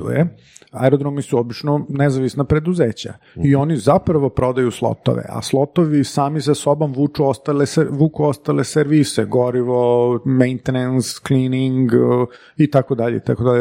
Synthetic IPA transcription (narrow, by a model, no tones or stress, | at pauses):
ṵjḛ | aɛɾod̪ɾomisuobit͡ʃnonezaʋisnapɾe̞d̪uzeːt͡ɕa̰ | io̞nizapɾaʋo̞pɾo̞d̪ajuslˠo̰t̪o̰ʋḛa̰slˠo̞t̪oʋisaːmisaso̞bomʋuːt͡ʃuost̪alesʋuːkuost̪aleseɾʋiseɡoɾiʋomejnt̪enenskliniŋɡ | it̪akod̪aʎeit̪akod̪aʎe